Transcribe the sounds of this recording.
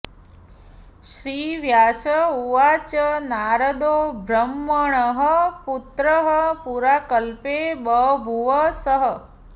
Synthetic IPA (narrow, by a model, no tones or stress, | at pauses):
ʃɾiːʋjaːʃəuʋat͡ʃənaɾəd̪obʱɾəmːəɳəɦəput̪ɾəɦəpuɾaːkəlpebəbʱuʋəsəɦə